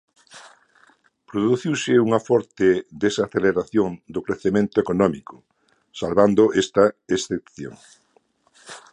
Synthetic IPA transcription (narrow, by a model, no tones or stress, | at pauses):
pɾoðuθiwsɪuŋɐfɔɾt̪ɪd̪esaθeleɾaθjoŋd̪ʊkɾeθemẽnt̪ʊekonɔmikʊ̥ | salβand̪ʊʔest̪ɐesθepθjo̰ŋ